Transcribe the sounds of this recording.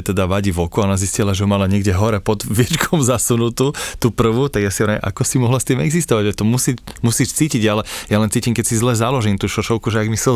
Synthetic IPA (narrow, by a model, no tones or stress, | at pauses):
t̪ɛd̪aʋaɟiʋɔkuanaziscilaʒɛɦɔmalaɲɪɛɡɟɛɦɔɾɛpɔd̪ʋɛt͡ʃkʰɔmzasunut̪ut̪upr̩ʋut̪aɡjasiaɾaʔa̰kɔsimɔɦlast̪iːmɛɡzist̪ɔʋaɟʒɛt̪ɔmusiːcmusiːʃt͡siːciɟalɛjalɛnt͡siːcimkɛcsizlɛzalɔʒiːmt̪uːʃɔʃɔʊkuʒɛaɡmisɛ